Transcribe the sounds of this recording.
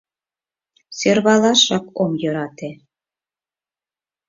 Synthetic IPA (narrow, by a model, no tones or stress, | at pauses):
sørβɑlɑʃɑkomjɤ̆ɾɑt̪e